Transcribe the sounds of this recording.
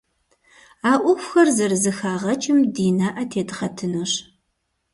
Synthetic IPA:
aːʔʷʊxʷxɐrzɐrzɨxaːʁɐt͡ʃʼɪmdiːnaːʔɐtʰeːdʁɐtʰɨnɨɕ

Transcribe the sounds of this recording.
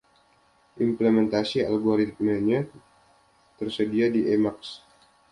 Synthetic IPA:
ʔimpləmɛnt̪asia̰lɡoɾit̪̚məɲa | t̪ərsədiadiʔemaks

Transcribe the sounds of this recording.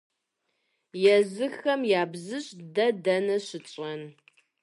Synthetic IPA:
jɛzɨxɐmjaːbzɨɕʼdɐdɐnɐɕɪt͡ʃʼɐn

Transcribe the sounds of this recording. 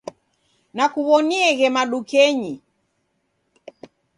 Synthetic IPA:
nakuβɔniɛɣɛmaɗukɛɲi

